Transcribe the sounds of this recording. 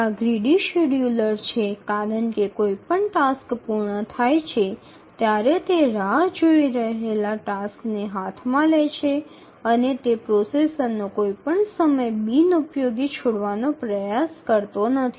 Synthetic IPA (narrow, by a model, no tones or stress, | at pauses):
aɡɾiɖiʃuɽjuləɾt͡ʃʰekaɾəɳkekoipəɳʈaskpuɾɳət̪ʰajt͡ʃʰe | t̪jaɾet̪eɾaɦd͡ʒoiɾəɦelaʈaskneɦat̪ʰmãlet͡ʃʰe | ənet̪epɾosesənːokoipəɳsəməjbinupjoɡit͡ʃʰoɽʋanopɾəjaskəɾt̪onət̪ʰi